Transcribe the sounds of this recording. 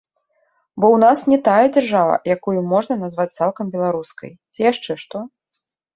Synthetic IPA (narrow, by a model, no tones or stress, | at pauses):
bɔwnasnʲɛt̪ajɛd͡zʲarʐavɐ̰jakujumːɔʐnɐnazvat͡s̚ʲt̪salˠkɐmbʲɛlˠaɾuskɐ̰jt͡sʲijaʂt͡ʂɛʂt̪ɔ